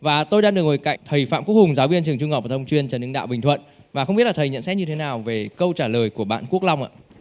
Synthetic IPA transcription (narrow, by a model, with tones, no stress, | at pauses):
vaː˨˩t̪o˧jɗaː˧ŋɨ˨˩ək̚ŋo˨˩jka̰˧˨jŋt̪ʰə˨˩jfa̰ː˧˨mku˦˥k̚hʊ˨˩ŋ͡mzaː˨˦wvi˧ənt͡ɕɨ˨˩əŋt͡ɕʊ˧ŋɔ˨˩vaː˨˩ə˧ŋ͡mt͡ɕwi˧ənt͡ɕəː˧˩nɨ˧ŋɗa̰ː˧˨wɓï˨˩ŋ̟t̪ʰwə̰˧˨n | vaː˨˩xə˧wŋ͡mɓi˦˥t̚laː˨˩t̪ʰə˨˩jɲə̰˧˨nsɛ˦˥t̚ɲɨ˧t̪ʰe˨˦naː˨˩wve˨˩kə˧wt͡ɕaː˧˩ləː˨˩jku˧˩əɓa̰ː˧˨nku˦˥ək̚la˧wŋ͡mʔa̰ː˧˨